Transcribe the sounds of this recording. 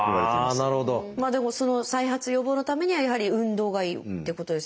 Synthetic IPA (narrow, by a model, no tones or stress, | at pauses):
naɾɯ̟hod̪omaːd̪e̞mo̞so̞no̞saiɦat͡sɨjo̞bo̞ːno̞t̪ame̞ɲ̟iβajaɦaɾʲiɯ̟̃nd̪o̞ːɡaiːt̪ːe̞ko̞t̪o̞d̪e̞s